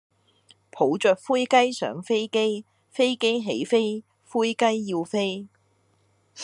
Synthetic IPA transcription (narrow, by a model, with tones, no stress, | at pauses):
pʰo˨˥wt͡ʃœː˨k̚fuː˥jkɐ˥jsœ̰ː˨˥ŋfe˥jke˥j | fe˥jke˥jɦḛ˨˥jfe˥j | fuː˥jkɐ˥jːi˧wfe˥j